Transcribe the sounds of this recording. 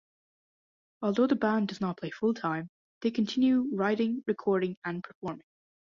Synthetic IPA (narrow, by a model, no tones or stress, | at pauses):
ɔlˠðoːðəbãndʌznət̚pʰl̥eɪfʊlˠtʰãɪ̃m | ðekʰə̃ntʰɪ̃njʉɹaɪɾɪ̃ŋɹɪkʰɔɹɾɪ̃ŋə̃npʰə˞fɔɹmɪ̃ŋ